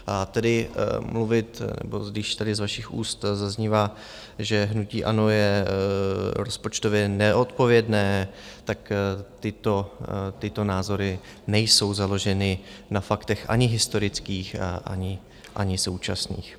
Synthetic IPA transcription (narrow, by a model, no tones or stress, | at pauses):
ʔat̪ɛdɪmluvɪt̪nɛ̰bo̰dɪʃt̪adɪzvaʃɪxʔṵːst̪zazɲivaː | ʒɛɦnuciːʔa̰no̞jɛ | ɾo̞spo̞t͡ʃt̪o̞vjɛnɛʔo̞t̪po̞vjɛdnɛːt̪akt̪ɪt̪o̞t̪ɪt̪o̞naːzo̞ɾɪ | nɛjso̞wzalo̞ʒɛnɪnafakt̪ɛxʔa̰ɲɪɦɪst̪o̞ɾɪt͡skiːxʔa̰ɲɪ | ʔa̰ɲɪso̞wt͡ʃasnḭːx